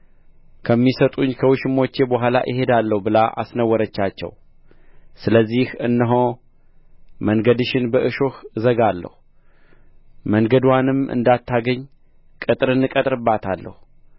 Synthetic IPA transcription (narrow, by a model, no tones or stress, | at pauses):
kʰəmːisət̪ʼuɲːkʰəwɨʃɨmo̞t͡ʃːe̞bəɦʷala̰ʔɨhe̞d̪alːəhubɨlaʔa̰snəwːəɾət͡ʃːat͡ʃːɛ̰w | sɨləzːihɨnːɨɦo | məŋɡəd̪ɨʃɪnbəʔɨʃohɨzəɡalːə̰hu | məŋɡəd̪wanɨmɨ̰nd̪at̪ʰːaɡəɲː | kʼɨt̪ʼɾɨnːɨkʼət̪ʼɾɨbːat̪ʰalːə̰hu